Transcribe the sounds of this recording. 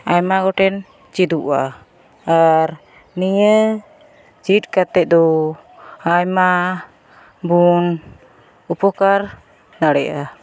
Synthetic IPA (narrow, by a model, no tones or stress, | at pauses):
ajmaɡɔʈɛn | t͡ʃid̪uʔa̰ | aɾ | nijə | t͡ʃit̚kat̪ɛc̚d̪ɔ | ajma | bun | upɔkaɾ | naɽɛʔa